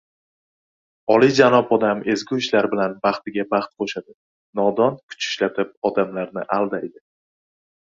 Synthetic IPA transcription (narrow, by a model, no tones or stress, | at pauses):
ɒlid͡ʒanɒpɒd̪ame̞zɡʲuɪʃlaɾbɪlanbɑχt̪ɪɡʲabɑχt̪qʰoʃad̪ɪ | nɒd̪ɒnkʰʊ̥t͡ʃʰɪ̥ʃlat̪ʰɪp̚ɒd̪amlaɾnɪʔalˠd̪aed̪ɪ